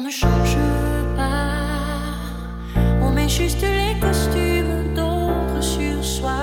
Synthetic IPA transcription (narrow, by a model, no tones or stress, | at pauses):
nəʃɔ̃ʒəpa | ɔ̃mɛʒyst̪əlekɔst̪ymd̪ot̪ʁəsyːʁswa